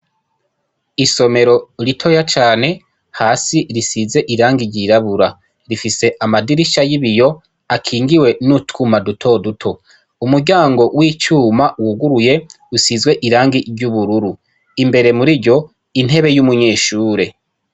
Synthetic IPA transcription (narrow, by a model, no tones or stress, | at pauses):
iso̞me̞ɾoɾitʰo̞jat͡ʃaːne̞ | haːsiɾisize̞ʔiɾaːŋɡiɾɟiɾaβuɾa | ɾifise̞ʔamadiɾiʃajiβijo̞ | akʰiːŋɡiwe̞nutkʰumadutʰo̞dutʰo̞ | umuɟaːŋɡo̞wiːt͡ʃuːmawuɡuɾuje̞ | usizɡwe̞ʔiɾaːŋɡiɾɟuβuɾuɾu | imbe̞ɾe̞muɾiɾɟo̞ | in̥ɦe̞βe̞jumuɲeːʃuːɾe̞